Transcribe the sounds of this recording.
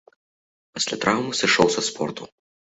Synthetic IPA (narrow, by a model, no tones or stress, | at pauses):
pɐsʲlʲɐ̰t̪ɾʔawmusʲɛʃɔwsɐspʰɔ̰rt̪u